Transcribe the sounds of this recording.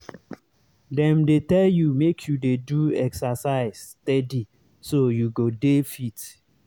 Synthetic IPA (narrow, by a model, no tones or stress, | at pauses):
dɛ̃mdetɛljumekʰjudeduɛksasaɪz̥tɛdi | sojuɡodefit